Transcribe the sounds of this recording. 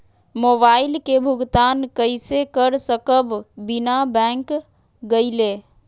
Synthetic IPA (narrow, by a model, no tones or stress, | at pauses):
mobailkebʱuɡt̪ankəɪsekəɾsəkəbbinabɛ̃ŋk | ɡəɪle